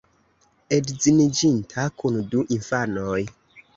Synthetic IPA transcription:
edzinid͡ʒintʰakunduʔinfanoj

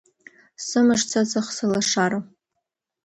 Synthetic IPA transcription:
sɨmɨʂt͡sʰazɨχsɨlaʂaɾa

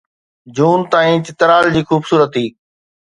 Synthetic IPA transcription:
d͡ʑuːnt̪ãːĩːt͡ɕɪt̪ɾaːld͡ʑiːxuːbsuːɾət̪ɦiː

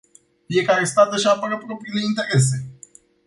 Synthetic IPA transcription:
fije̞kaɾe̞st̪at̪əʃ̬apəɾəpɾo̞pɾile̞int̪e̞ɾe̞s̬e̞

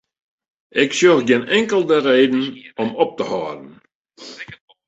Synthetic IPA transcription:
ʔɪksjøxɡɪnɛŋkəlˠdəreːdn̩ɔmɔp̚təhɑːdən̩

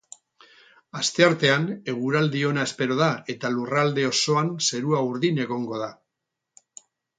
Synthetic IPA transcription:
ast̪e̞aɾt̪e̞ane̞ɣ̞uɾald̪io̞nae̞spe̞ɾo̞ðae̞t̪alurald̪e̞o̞so̞anse̞ɾuauɾðine̞ɣo̞ŋɡo̞ð̞a

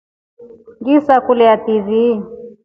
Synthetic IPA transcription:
ŋɡisakulɛativi

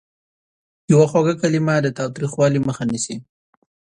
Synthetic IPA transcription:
jawaxwaɡakalimad̪ət̪ɑwt̪ɾixwɑliməxanisi

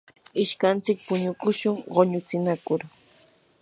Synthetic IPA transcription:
ɪʃkant͡sɪk̚pʊɲʊkʊʃʊŋɢoɲʊt͡sɪnakʊɾ

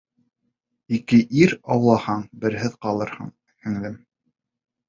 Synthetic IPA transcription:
ikɘʔiɾɑwlˠɑhɑɴbɘ̆ɾɦɘðqɑlˠɤɾhɤ̰ɴ | hɘ̆ŋlɘm

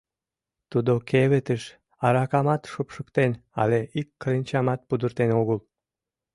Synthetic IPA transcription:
t̪ud̪okeβet̪əʃ | ɑɾɑkɑmɑt̪ʃopʃəkt̪enɑ̰leikːəɾenʲt͡ɕɑmɑt̪̚pud̪ərt̪enoɣəl

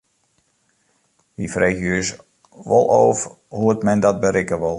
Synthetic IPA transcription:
ʋifreːxjøəs | ʋɔ̰lˠʔo̰ːf | huətmɛndɔt̚bəɾɪkəʋɔlˠ

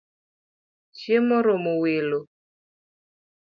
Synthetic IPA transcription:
ʃjemɔɾɔmowelo

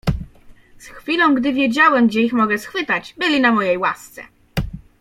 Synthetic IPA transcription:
sxfʲilɔ̃w̃ɡd̪ɘvʲjɛd͡ʑawɛmɡd͡ʑɛixmɔɡɛsxfɘt̪ad͡ʑbɘlʲinamɔjejwa̰st̪sɛ̰

